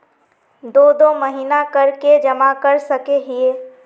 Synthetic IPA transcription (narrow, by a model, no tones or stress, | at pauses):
d̪oːd̪oməɦinakəɾked͡ʒɐmakəɾsəkeɦieː